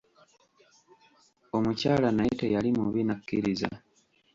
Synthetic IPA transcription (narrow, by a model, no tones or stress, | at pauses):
o̞mucaːlanaitejalimuβinakːiɾiza̰